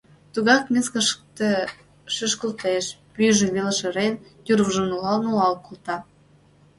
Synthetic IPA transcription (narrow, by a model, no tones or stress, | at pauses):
t̪uɣɑkmʲeskəʃkt̪ĕ | ʃyʃkə̆lt̪eʃpyʒĕβeləʃeɾent̪yɾβəʒə̆mnulɑlnulɑlkult̪ɑ